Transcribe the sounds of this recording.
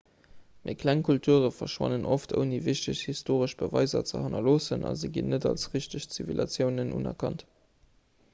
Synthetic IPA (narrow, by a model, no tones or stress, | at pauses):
mḭːɐkʰlæŋkʰultʰuəʁəfɐʃwɑ̰nənʔoftə̰ʊniviɕtəɕhistʰoːʁəʃb̥əvɑɪzɐ̰t͡sə̰hɑnɐloːsənʔɑ̰zeːɡinːədɑlsʁiɕtəɕt͡sivilʔɑt͡sjəʊnənʔṵnɐ̰kʰɑnt